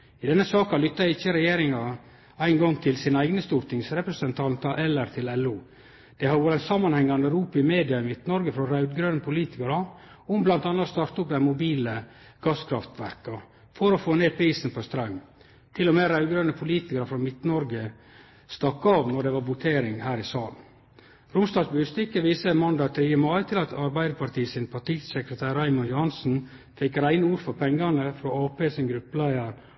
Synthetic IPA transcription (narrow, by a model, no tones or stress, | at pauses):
ɪd̪ɛnːəsɑːkɑlʏt̪ːɑɪçːəɾɛjeːɾɪŋɑ | æɪnɡɑŋt̪ʰɪlsɪnæɪɡnəst̪uːɾt̪ʰɪŋsɾɛpɾɛsɛnt̪ʰɑnt̪ɑʔɛlːəɾt̪ʰɪlɛlːuː | d̪̥ɛhɑʋoːɾɛnsɑmːɑnhɛŋːɑnɾuːpɪmeːd̪ɪɑɪmɪt̪nɔɾɡəfɾɔɾɑʉd̪ɡɾœnəpʰʊliːt̪ɪkəɾɑ | ɔmblɑnt̪ɑnːɑt̪st̪ɑɾt̪ʊp̚d̪æɪmʊbiːlə | ɡ̥ɑːskʰɾɑft̪ʋæɾkɑ | fɔɾɔfoːneːpʰɾiːsn̩pʰɔst̪ɾɑŋː | t̪ʰɪlɔmeːɾɑʉɡəɾənəpʰʊliːt̪ɪkəɾəfɾɔmɪt̪nɔɾɡə | st̪ɑkːɑːʋnɔɖɛʋɑɾʋʊt̪ʰeːɾɪŋhæːɾɪsɑːln | ɾʊmsd̪ɑːsbʉːst̪ɪkəʋiːsənmɑnd̪ɑːt̪ʰɾiːəmɑɪt̪ʰɪlɑt̪ʰɑɾbæɪd̪əpɑɾʈ̪iːsɪnpʰɑʈiːsəkɾət̪ʰæːɾæɪmʊnjʊhɑnsn̩ | fɛkɾæɪnəuːɾfɔɾpʰɛŋɡɑnəfɾɔɑːpeːsɪnɡɾʉpːəlæɪəɾ